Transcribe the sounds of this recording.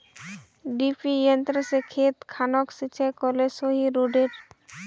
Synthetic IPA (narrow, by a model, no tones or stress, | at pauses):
ɖipʰijənt̪ɾəsekʰeːt̪kʰaːnɔksit͡ʃʰakɔlesoɦiɾoɖeʈ